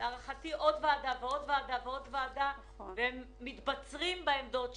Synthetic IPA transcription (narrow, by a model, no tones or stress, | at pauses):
aʁaχat̪iʔod̪vaːd̪aveo̞d̪vaːd̪aveo̞d̪vaːd̪a | veemːit̪bat͡sʁimbaemd̪o̞t̪